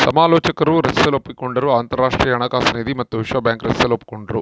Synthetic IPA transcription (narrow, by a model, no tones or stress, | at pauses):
sɐmaːlɔːt͡ʃɐkɐɾuɾɐst̪ɐlopːikuɳɖɐɾuaːnt̪ɐɾːaːʂʈɾijɐɐnɐːkaːsɐneːd̪imɐt̪ːuʋiʂʋɐːbjaːŋkɾɐst̪ɐlopːu̥kuɳɖɐɾu